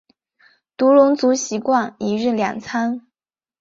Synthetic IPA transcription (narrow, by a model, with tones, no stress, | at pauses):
t̪u˧˥lʊ˧˥ŋt͡su˧˥ɕi˧˥kwa˥˩ŋi˨˩ɻɻ̩˥˩ljɑ̰˨˩ŋt͡sʰa˥n